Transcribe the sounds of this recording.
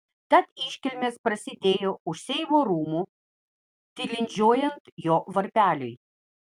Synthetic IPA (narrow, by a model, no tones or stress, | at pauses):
t̪ɐt̪ɪˑʃʲkʲɪlʲmʲeːspɾɐsʲɪd̪ʲeːjoːʊʃsʲɛɪmoːɾuːmuː | t̪ʲɪlʲɪnʲd͡ʒʲoːjɛnt̪joːʋɐɾʲpʲæːlʲʊ̰ɪ